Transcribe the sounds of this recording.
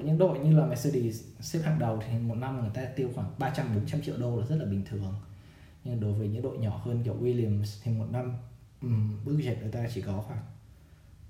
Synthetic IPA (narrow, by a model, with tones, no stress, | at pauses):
ɲɨ̰˧˥ŋɗo̰˧˨jɲɨ˧laː˨˩mɛ˨˧˩sə˧ɗi˨˩sɛ˦˥p̚ha̰ː˧˨ŋɗə˨˩wt̪ʰi˨˩mo˨˩t̚na˧mŋɨ˨˩əjt̪aː˧t̪i˧əwxwaː˧˩ŋɓaː˧t͡ɕa˧mɓo˨˦nt͡ɕa˧mt͡ɕḭ˧˨əwɗo˧laː˨˩zə˦˥t̚laː˨˩ɓï˨˩ŋ̟t̪ʰɨ˨˩əŋ | ɲɨ˧ŋ˨ɗo˨˦jvəː˨˦jɲɨ̰˧˥ŋɗo̰˧˨jɲɔ˧˩həː˧nkɔ˧˩wi˧li˧˩əmst̪ʰi˨˩mo˨˩t̚na˧m | ʔɨ˨˩mɓɨ˦˥ək̚ze˨˩p̚nɨ˨˩əjt̪aː˧t͡ɕi˧˩kɔ˨˦xwaː˧˩ŋ